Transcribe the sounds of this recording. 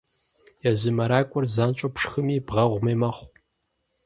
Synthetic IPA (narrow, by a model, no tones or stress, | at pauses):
jɛzɨmɐɾaːkʷʼʊrzaːnt͡ʃʷʼɐpʰʂxɨmiːbʁɐʁʷmeːmɐχʷ